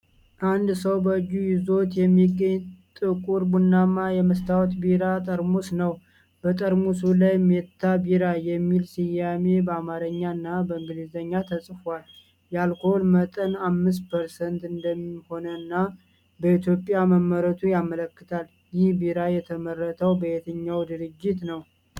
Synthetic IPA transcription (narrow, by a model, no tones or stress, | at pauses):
ʔand̪səwbəd͡ʒujɪzo̞t̪jɛmːiɡːəɲːt̪ʼɨkʼuɾbunːamajɛməst̪ʰawɔt̪biɾat̪ʼəɾmusnəw | b̥ət̪ʼəɾmusulajmet̪ʰːabiɾajɛmːilsɪjame̞bəamaɾəɲːaɨnːabəɨŋɡɨlɨzəɲːat̪ʰəsʼfal | jalkʰolmət̪ʼənamːɨs̬pʰəɾsənt̪ɨnd̪əmːiho̞nənːa | bəit̪ʰjo̞pʼjaməmːəɾət̪ʰujamələkːɨt̪ʰal | jɪhbiɾajɛt̪ʰəmərːət̪ʰəwbəet̪ʰəɲːawd̪ɨɾɨd͡ʒːɪt̪nəw